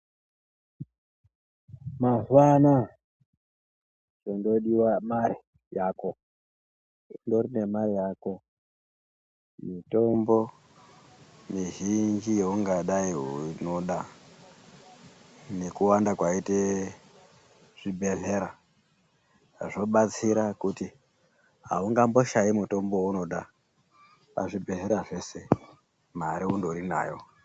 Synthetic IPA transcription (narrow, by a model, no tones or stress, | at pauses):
mazana | t͡ʃondoɗiwamaɾi | jako | ndoɾine̞maɾijako | mitombo | miʒind͡ʒijeuŋɡaɗaiɦunoɗa | ne̞kuwandakwaite | ʐ̥ibʱe̞ɮe̞ɾa | ʐo̞ɓat͡siɾakuti | ɦa̰uŋɡambo̞ʃaimuto̞mbo̞uno̞ɗa | pa̰ʐibʱe̞ɮe̞ɾaʐe̞se̞ | maɾiundoɾina̰ːjo̞